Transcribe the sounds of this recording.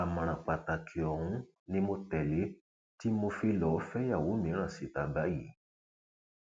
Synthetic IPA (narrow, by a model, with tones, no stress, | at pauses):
a˨mã˨ɾ̃ã˨k͡pa˨ta˨kʰi˨ɔ˨hũ˨˦ | nĩ˧mo˧tɛ˨le˨˦ | ti˦mo˧fi˧lɔ˨˦˧fɛ˦ja˦˨wo˨˦mĩ˨˦ɾ̃ã˦˨si˨ta˨ba˨˦jḭ˨˦